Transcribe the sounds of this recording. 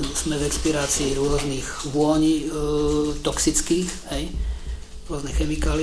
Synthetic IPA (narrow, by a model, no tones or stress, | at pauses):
usmɛvɛkspiɾaːt͡siːɾʊɔzniɣʋʊɔɲ | t̪ɔksit͡skiːxhɛj | ɾʊɔznɛxɛmikaːli